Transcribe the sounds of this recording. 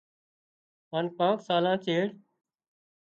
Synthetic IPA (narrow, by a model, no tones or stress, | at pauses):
ɦaːnkãːksaːlãːt͡ʃeːɽ